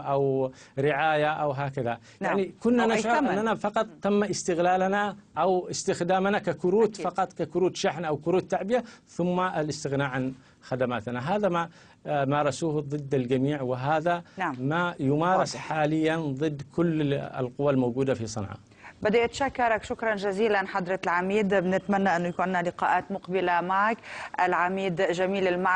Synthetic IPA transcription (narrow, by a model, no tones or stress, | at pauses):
ʔaw | ɾɪʕaːjaʔawɦaːkaða | jaʕnikʊnːanaʃʕʊɾʔanːanafɑqɑt̪ˤt̪ːamːaʔɪst̪ɪɣlaːlanaʔawɪst̪ɪxd̪aːmnakakʊɾuːt̪fɑqɑt̪ˤkakʊɾuːt̪ʃaħnʔawkʊɾuːt̪ːaʕbɪjaθʊmːaʔalɪst̪ɪɣnaːʕan | xad̪amaːt̪naɦaːðama | mɑːɾˤɑsuːhðˤɨd̪ːald͡ʒamiːʕwɪɦaːðanamajʊmɑːɾˤɪsħaːlɪjːanðˤɨd̪ːkʰʊlːɪ̰lqʊwːalmoːɡuːd̪afisˤɑ̰nʕɑ̰ | bɪd̪iʔt̪ʃakːɑɾˤɑkʃʊkɾˤɑnʒaziːlanħad̪ɾˤɑlʕamiːd̪bnɪt̪manːaʔɪnːʊjakuːnːalɪqɑːʔaːt̪mʊqbɪlamaʕakʔɪlʕamiːd̪ʒamiːlɪlma